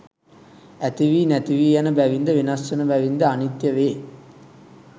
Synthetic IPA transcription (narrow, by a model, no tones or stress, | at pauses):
æt̪iʋiːnæt̪iʋiːjanəbæʋind̪əʋinasːɐnəbæʋind̪əanit̪jɐʋeː